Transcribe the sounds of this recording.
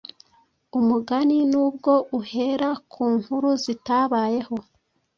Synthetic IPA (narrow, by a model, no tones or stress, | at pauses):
umuɡaninuːbɡo̞ʔuhe̞ːɾakʰuːŋhuɾuzitaβaːje̞ho̞